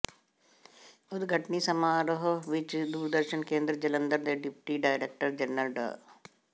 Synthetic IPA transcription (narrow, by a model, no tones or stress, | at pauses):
ʊd̪ɡʱəʈniːsəmaːɾəɦoʋɪt͡ʃd̪uːɾd̪əɾʃənkẽːnd̪ɾəd͡ʒələnd̪əɾd̪eːɖɪpʈiːɖaːɪɾeːk̚ʈəɾd͡ʒɛnːəlɖə̰